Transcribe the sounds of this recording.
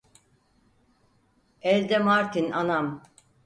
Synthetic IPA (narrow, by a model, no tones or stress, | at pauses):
ɛlʲd̪ɛmaɾt̪ʰinanam